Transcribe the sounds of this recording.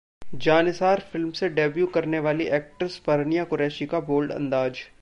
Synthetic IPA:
d͡ʒaːnɪsaːɾfɪlmseɖeːbjukɐɾneʋaːliʔɛːk̚ʈəɾspɐɾnijakʊɾɛːʃikaboːlɖɐ̰̃nd̪aːd͡ʒ

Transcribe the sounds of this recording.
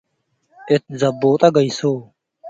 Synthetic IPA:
ɪt̪̚zɐbːoːt̪aɡəisoː

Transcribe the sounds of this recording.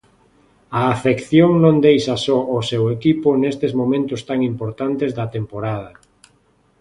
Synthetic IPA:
ɐːfekθjoŋnõnd̪ejʃɐsɔʊsewekipʊnest̪ezmõmẽnt̪ʊst̪aŋimpoɾt̪ant̪ezðɐt̪empoɾað̞ɐ

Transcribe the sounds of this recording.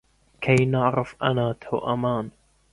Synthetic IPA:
kʰajnaʕɾɪfʔanaːt̪ʰawʔamaːn

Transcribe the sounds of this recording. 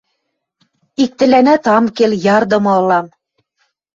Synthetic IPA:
ik̚t̪ɘ̆lænæt̪ɑmkeljɑrd̪ɤ̆mɤ̆ɤ̆lɑm

